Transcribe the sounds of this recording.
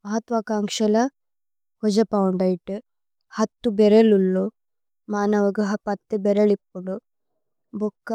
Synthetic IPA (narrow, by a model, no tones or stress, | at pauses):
mɐɦɐt̪ʋaːkaːŋkʂɐlɐ | hɔd͡ʒɐpɐwuɳɖɐjiʈu | hɐt̪ːubɛɾɐlulːu | maːnɐʋɐɡɐɦɐpɐt̪ːebɛɾɐlipːuɳɖu | bokːɐ